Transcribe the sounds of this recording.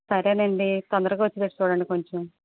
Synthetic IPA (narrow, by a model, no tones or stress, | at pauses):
sɐɾeːneːɳɖit̪ɐnd̪ɐɾɐkuʋɐt͡ʃːit̪eʈːit͡ʃuːɽɐɳɖiko̞ɲt͡ʃem